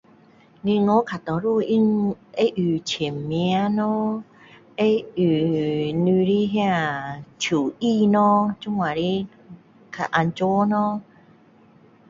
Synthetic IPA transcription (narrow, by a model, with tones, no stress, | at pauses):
ni˧ŋɔ˨˦kʰa˨˩t̪ɔ̃˨˩ɾu˥˧i˧˨ŋe˦ʔy˨t͡ɕʰe˨˩mmj̃a˦nɔ̃˦ | e˦y˨˩ni˧li˦ɦjã˥˧˨t͡ɕʰu˨˩i˧nɔ̃˦t͡ɕu˦ŋa˨li˦ | kʰa˨˩ʔa˧nt͡ɕo˦nɔ̃˦